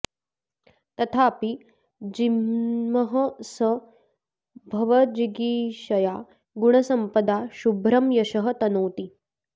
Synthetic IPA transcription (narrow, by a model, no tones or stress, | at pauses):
t̪ɐt̪ʰaːpi | d͡ʒimɐɦɐsɐ | bʱɐʋɐd͡ʒiɡiːʃɐjaː | ɡuɳ̃ɐsɐmpɐd̪aʃubʱɾɐmjɐʃɐɦɐt̪ɐnoːt̪i